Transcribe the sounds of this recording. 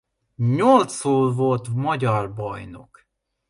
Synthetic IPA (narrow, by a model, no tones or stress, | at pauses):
ɲolt̪soːlvo̞lt̪mɒɟɒrbɒjno̞̰k